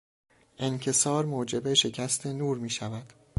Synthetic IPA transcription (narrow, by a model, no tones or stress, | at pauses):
ʔencʰe̞sɒːɾmoːd͡ʒe̞beʃe̞cʰæst̪ʰe̞nuːɾmiːʃævæd̪̥